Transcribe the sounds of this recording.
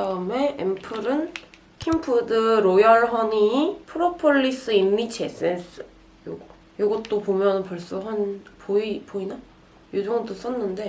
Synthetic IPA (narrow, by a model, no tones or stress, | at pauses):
aɯme̞ḛmpʰɯɾɯn | kʰimpʰudɯɾojʌɭɦʌnipʰɯɾopʰoɭːis͈ɯimːit͡ɕʰes͈ʰensɯ | joɡʌ | joɡʌt͈opomjʌnɯnpʌɭs͈uɦanpoipoina | jodoŋdos͈ʌnːɯnde̞